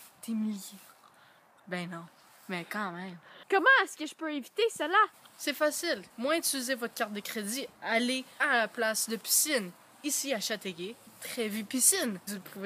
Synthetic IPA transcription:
d̪̥emilj | bɛ̃nɔ̃ | mɛkɑ̃mɛ̃mkɔmɑ̃ɛskʲəʒəpøevit̪esəlasɛfasilmwɛ̃d̪syzevɔt̪χkʲaʁt̪̚d̪əkχed̪ialealaplasd̪əpi̥sin | isiaʃat̪eɡʲet̪χɛvypisinzupʰuv

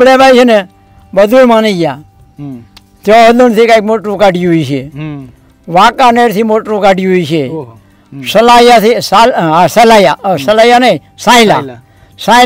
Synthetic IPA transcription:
ɽebajt͡ʃʰene | bəd̪ʱumaːniɡjaː | t̪joɦəlunt̪ʰiːkaik̚moʈɾũkaʈjuɦot͡ʃʰe | ʋakaːneɾt̪ʰimoʈɾũkaʈjuɦoit͡ʃʰe | səlajat̪ʰisalsəlajasəlaːjanəi | sãːila̰ | sã

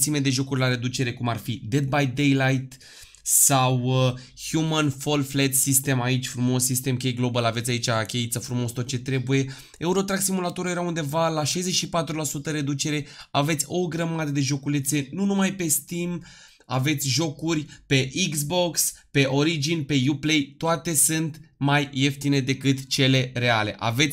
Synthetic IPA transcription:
simed̪e̞ʒo̞kurʲlaɾe̞d̪ut͡ʃe̞ɾe̞kumarfid̪e̞d̪̚bajd̪ejlajt̪ | sawhjumənfo̞lflet̪sist̪e̞mait͡ʃʲfɾumo̞sːist̪e̞mkʲejɡlo̞bəlavet̪sʲait͡ʃʲakʲe̞it̪səfɾumo̞st̪o̞t̪̚t͡ʃe̞t̪ɾe̞buje̞ | e̞uɾot̪ɾak̪simulat̪oɾəje̞ɾaund̪e̞valaʃajzet͡ʃʲʃipat̪ɾulasut̪əɾe̞d̪ut͡ʃe̞ɾe̞ave̞t̪sʲo̞ɡɾəmad̪əd̪e̞ʒo̞kulet̪se̞nunumajpe̞st̪im | a̰ve̞t̪sʲʒo̞kurʲpe̞ʔikzbo̞kspe̞ʔo̞ɾid͡ʒinpe̞juple̞jt̪oat̪e̞sɨnt̪majːe̞ft̪ine̞d̪e̞kɨt̪t͡ʃe̞le̞ɾe̞ale̞̰ʔa̰ve̞t̪sʲ

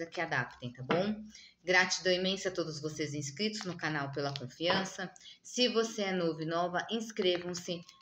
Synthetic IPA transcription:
zɐkɪad̪a̰pt̪ẽt̪abõw̃ | ɡɾat͡ʃid̪oimẽsat̪od̪ʊzvosezẽskɾit̪ʊznʊkanawpelɐkõfiɐ̃sɐsɪvoseɛnovɪ̃nɔvɐʔẽskɾevɐ̃w̃sɪ

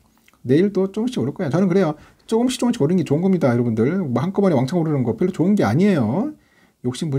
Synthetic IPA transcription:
ne̞iɭt͈ot͡ɕ͈oɯmɕʰiɡʌɾɯk͈ʌejot͡ɕʌnɯnkɯɾe̞jo | t͡ɕ͈oɯmɕʰi̥t͡ɕ͈oŋmɕʰiɡʌɾinŋɡet͡ɕoɯnɡʌmɲidajʌɾʌbundɯɭmhank͈ʌbʌniwaŋt͡ɕʰaŋoɾɯnɯnɡʌpjʌɭːot͡ɕoɯnɡe̞aɲiejo | jok̚ɕ͈impu

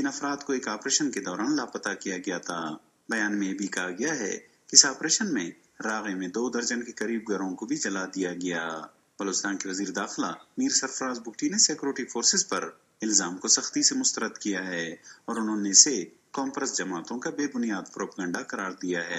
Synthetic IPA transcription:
ɪnɐfɾaːd̪koeːkaːpɾeːʃənked̪ɔːɾaːnlaːpɐt̪akijaɡɐjat̪ʰaː | bɐjaːnmẽjebʱikɐɦaɡɐjaɦɛ̰ | kiɪsaːpɾeːʃənmẽ | ɾaːɣemẽd̪oːd̪ɐɾd͡ʒənkekɐɾiːb̚ɡɐɾõkobʱid͡ʒɐlad̪ijaɡɐjaː | b̥ɐloːt͡ʃɪst̪aːnkeʋɐziːɾed̪aːxlamiːɾsɐɾfɾaːzbʊkʈineseːkjuːɾɪʈifʰoːɾsɪzpɐɾ | ɪlzaːmkosɐxt̪isemʊst̪əɾəd̪kijaɦɛːɔːɾʊnɦõnese | kɔːmpɾəsd͡ʒɐmaːt̪õkabeːbʊnijaːd̪̚pɾoːpaɡə̃ɳɖaqɐɾaːɾd̪ijaɦɛː

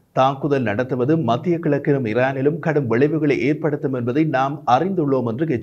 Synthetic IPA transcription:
t̪aːŋkʊðɐlnɐɽɐt̪ːɯʋɐðɯmɐt̪ːɪjɐkːɪɭɐkːɪnɯmɪraːnɪlɯmkɐɽɯmʋɛɭɐɪʋɯɣɐɭɐɪʔeːrpɐɽɯt̪ːɯmɛnbɐðɐɪnaːmɐrɪnd̪ɯɭːoːmɛndrɯɡɛt͡ʃː

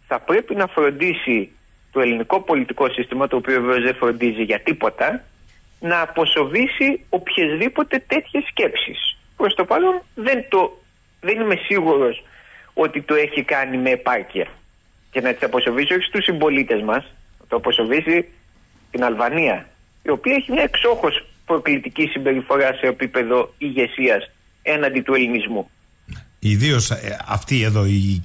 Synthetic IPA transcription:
θɐpɾe̞pinɐfɾo̞nd̪isi | t̪o̞e̞liniko̞po̞lit̪iko̞sist̪imɐt̪o̞ːpioveve̞o̞zðe̞fɾo̞nd̪iziʝɐt̪ipo̞t̪ɐ | nɐːpo̞so̞visio̞pçe̞zðipo̞t̪e̞t̪e̞t̪çe̞sce̞psḭs | pɾo̞st̪o̞pɐlo̞nðe̞nt̪o | ðe̞nime̞siɣuɾo̞so̞t̪it̪o̞e̞çikɐnime̞ːpɐɾciɐ̰ | ce̞nɐt̪i̥sɐpo̞so̞visio̞çi̥st̪usimbo̞lit̪e̞zmɐsnɐt̪oɐpo̞sovizi | t̪inɐlvɐniɐ | io̞piɐeçimɲɐekso̞xo̞spɾo̞klit̪icisimbe̞ɾifo̞ɾɐse̞ːpipe̞ðo̞iʝe̞siɐs | e̞nɐnd̪it̪ue̞linizmu | iðio̞sɐ̰ft̪ieðoi

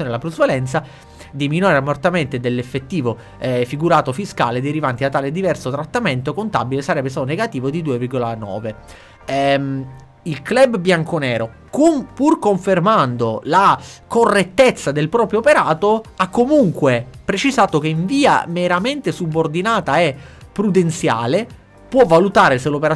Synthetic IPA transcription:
onelapɾuzvalɛnt̪sa | d̪iminwaɾeamːort̪ament̪ed̪elːefːet̪ːiːvo | fiɡuɾaːt̪ofiskaːled̪eɾivant̪iat̪ːaːled̪ivɛrsot̪ɾat̪ːament̪okont̪abilesaɾɛbːest̪aːt̪oneɡat̪iːvod̪id̪uːevirɡolanɔ̰ːve | ilklɛbbjaŋkonɛːɾo | kupurkoɱfermand̪olakorːet̪ːet̪sːad̪elpɾɔːpɾjoːpeɾaːt̪oakːomuŋkwepɾet͡ʃizaːt̪okeiɱviːa̰meɾament̪esubord̪inaːt̪aepːɾud̪ent̪sja̰ːle | pwɔvːalut̪aːɾeselopeɾa

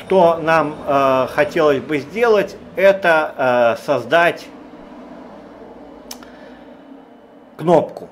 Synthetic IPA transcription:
ʂt̪onamxɐtʲe̞lˠəzʲbɨzʲdʲe̞lˠətʲɛt̪əsɐzd̪atʲ | knopkʊ

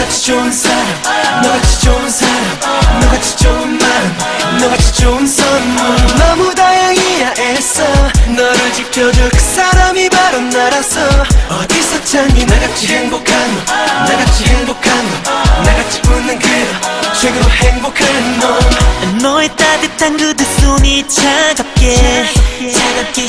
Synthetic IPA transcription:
at͡ɕʰi̥t͡ɕomsʰaɾamnʌɡat͡ɕʰi̥t͡ɕomnsʰaɾamnʌɡat͡ɕʰi̥t͡ɕomːan | nʌɡat͡ɕʰi̥t͡ɕoms͈ʰʌonʌmudajaŋijaʔesʌnʌɾɯɭd͡ʑipʰjʌd͡ʑʌks͈aɾamibaɾʌnːaɾasʰʌʌdis͈ʌt͡ɕʰaŋinaɡat͡ɕʰiheŋbokʰanonaɡat͡ɕʰiheŋbokʰanonaɡat͡ɕʰi̥bonːɯnɡet͡ɕweɡɯheŋbokʰannːonʌet͈adɯtʰanɡɯdɯs͈omit͡ɕʰaɡap̚k͈e

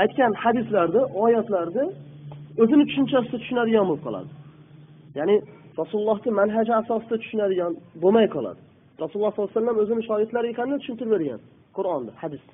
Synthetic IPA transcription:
ajt̪̚kʲanhad̪ɪslaɾd̪ɪʔɒːjat̪laɾd̪ɪ | ɵzɪnɪt̪t͡ʃ̪ʰʊ̥ʃynt͡ʃʰasɪd̪at̪ʰʊ̥ʃynad̪ɪɡʲanbolˠɨpqʰɒ̰lˠa̰d̪ɪ | janɪ | ɾɑsulˠulˠːɑht̪ɪmanɦad͡ʒaːsɒsɨd̪at̪ʰʊ̥ʃynad̪ɪɡʲanbomajqʰɑlˠa̰d̪ɪ | ɾɑsulˠlˠːɑhslˠːasalːamɵzɪnɪʃɒːɾɪt̪laɾɪkʰanɪd̪at̪ʰʊʃynt̪ʰɪɾɪbe̞ɾɡʲa̰n | qʰʊɾɒnd̪ahad̪ɪs

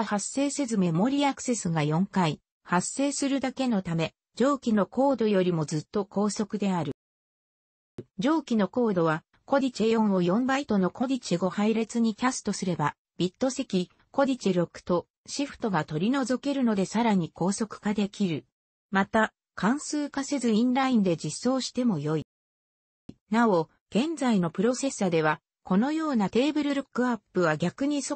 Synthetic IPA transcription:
hasːe̞ːse̞zɨme̞mo̞ɾʲiːakɯ̟̥se̞sɨɡajõ̞ŋkai | hasːe̞ːsɨɾɯ̟d̪ake̞no̞t̪ame̞ | d͡ʑo̞ːkʲino̞ko̞ːd̪o̞jo̞ɾʲimo̞zɨt̪ːo̞ko̞ːso̞kɯ̟d̪e̞aɾɯ̟ | d͡ʑo̞ːkʲino̞ko̞ːd̪o̞β̞a | ko̞dʲit͡ɕejõ̞ɰ̃o̞jõ̞mbait̪o̞no̞kʰo̞dʲit͡ɕiɡo̞haiɾe̞t͡sɨɲ̟ikʲasɨ̥t̪osɨɾe̞ba | b̥ʲit̪ːo̞se̞kʲi | ko̞d̪ʲit͡ɕiɾo̞kɯ̟̥t̪o̞ | ɕiɸɯ̥t̪o̞ɡat̪o̞ɾʲino̞zo̞ke̞ɾɯ̟no̞d̪e̞saɾaɲ̟iko̞ːso̞kɯ̟̥kad̪e̞kʲiɾɯ̟ | mat̪a | kʰãɰ̃sɨːkase̞zɨĩnɾaĩnd̪e̞d͡ʑisːo̞ːɕi̥t̪e̞mo̞jo̞i | nao̞ | ɡ̥ẽ̞nd͡zaino̞pɯ̟ɾo̞se̞sad̪e̞βa | ko̞no̞jo̞ːnat̪e̞ːbɯ̟ɾɯ̟ɾɯkːɯ̟apːɯ̟β̞aɡʲakɯ̟ɲ̟iso

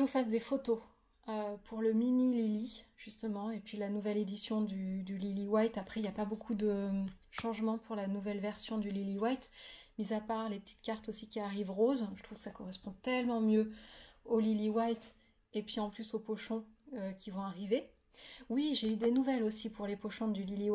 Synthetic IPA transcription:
ənufasd̪efot̪o | øpʰuʁləminililiʒ̥yst̪əmɑ̃epɥilanuvɛled̪isjɔ̃d̪yd̪yliliwajt̪apχɛiljapabokʰud̪əʃɑ̃ʒmɑ̃puʁlanuvɛlvɛʁsjɔ̃d̪yliliwajt̪mizapaʁlepə̥t̪ʰi̥t̪kʲaʁt̪osikʲiaʁivʁozət̪χuv̥kə̥sakɔʁɛspɔ̃t̪ɛlmɑ̃mjøoliliwajt̪ | epɥiɑ̃plysopoʃɔ̃økʲivɔ̃aʁive | wiʒeyd̪enuvɛlosipuʁlepoʃɔ̃d̪ylili

